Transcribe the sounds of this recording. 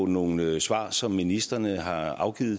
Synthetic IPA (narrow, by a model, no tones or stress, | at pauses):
no̝ːn̩sʋɑ̰̈ːsɒ̽mːinisd̥ʁɐnəɦɑ̈ɑ̈ʊɡ̥ḭːð̩ˠ